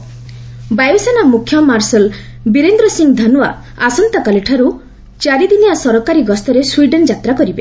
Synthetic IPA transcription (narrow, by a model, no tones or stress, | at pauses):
bajesanamukʰːjɔmaɾsel | biɾend̪ɾɔsiŋɡd̪ʱanua̰ | asɔnt̪akaliʈʰaɾu | t͡ʃaɾid̪inijasɔɾɔkaɾiɡɔst̪ɔɾeswiɖend͡ʒat̪ɾakɔɾibe